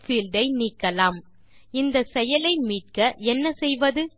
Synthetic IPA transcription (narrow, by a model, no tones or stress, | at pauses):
fiːlɖɐɪniːkːɐlaːm | ɪnd̪ɐsɛjɐlɐɪmiːʈ̚kɐʔɛnːɐsɛjʋɐðɯ